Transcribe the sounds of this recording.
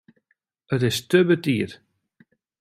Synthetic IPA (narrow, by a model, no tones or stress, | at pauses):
ətɪstəbətiət